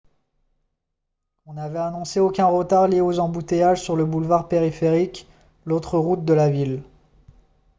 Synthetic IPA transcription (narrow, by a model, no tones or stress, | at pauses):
ɔ̃navɛanɔ̃seokʲɛ̃ʁət̪aʁljeozɑ̃but̪ejaʒsyʁləbulvaʁpeʁifeʁik | lot̪χəʁut̪̚d̪əlavil